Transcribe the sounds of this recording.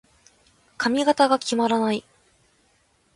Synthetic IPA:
kʰamʲiɡat̪aɡakʲimaɾanai

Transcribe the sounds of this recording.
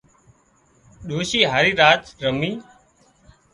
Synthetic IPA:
ɗoːʃiːɦaːɾiːɾaːt̪ɾəmiː

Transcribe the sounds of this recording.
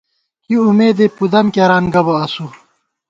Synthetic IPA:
kiumeːd̪epud̪ɐmkɐɾaːnɡɐbɐːsu

